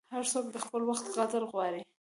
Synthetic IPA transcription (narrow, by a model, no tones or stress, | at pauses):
haɾsok̚d̪əxpəlwaxt̪ɣat̪əɾɣwɑɾi